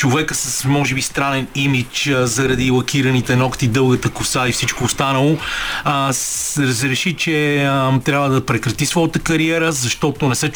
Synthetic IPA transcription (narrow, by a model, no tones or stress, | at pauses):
t͡ʃovɛkəsəsmɔʒɛbist̪ɾanɛnimit͡ʃːzɐɾɐd̪ilˠɐkʰiɾɐnit̪ɛnɔkt̪id̪ɤlˠɡət̪əkosaifsit͡ʃkoːst̪anəlˠo | ɛɾəzɾɛʃit͡ʃɛt̪ɾʲjabvəd̪ɐpɾɛkɾɐt̪isvɔjət̪əkɐɾiɛɾəzɐʃt̪ɔt̪onɛsɛ